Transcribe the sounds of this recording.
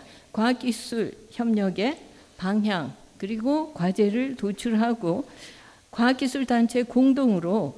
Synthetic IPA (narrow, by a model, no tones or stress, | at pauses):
kwak͈isʰuɭçjʌmɲʌɡe̞ | paŋɦjaŋkɯɾiɡokwad͡ʑe̞ɾɯɭtot͡ɕʰuɭɦaɡo | kwak͈ːisʰuɭdant͡ɕʰe̞koŋdoŋɯɾo